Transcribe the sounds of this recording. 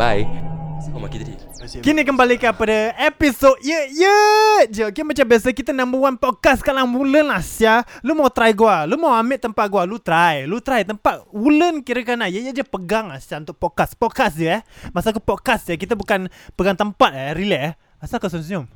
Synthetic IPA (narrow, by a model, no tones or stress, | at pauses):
aj | aki | kinikəmbalikapadəepisod̚jəjəd͡ʒəkimət͡ʃambiasəkit̪ənamuwanpɔt̪̚kaskalaŋwulənasjalumawt̪ɾajɡualumawamɪʔt̪əmpat̪̚ɡwalut̪ɾajlut̪ɾajt̪əmpat̪̚wulənkiɾəkanajəjəd͡ʒəpəɡaŋasjaunt̪ʊʔ̚pɔt̚kaspɔt̪̚kasd͡ʒəɛmasak̬əpɔt̪̚kasd͡ʒakit̪əbukanpəɡaŋt̪əmpat̪̚ɛɾilɛ | asakəs̬uns̬iɔm